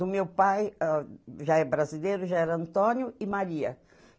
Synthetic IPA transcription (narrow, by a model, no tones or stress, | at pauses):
ʊmewpajaʒaɛbɾazilejɾʊʒaɛɾɐɐ̃nt̪õnjʊɪmaɾiɐ̰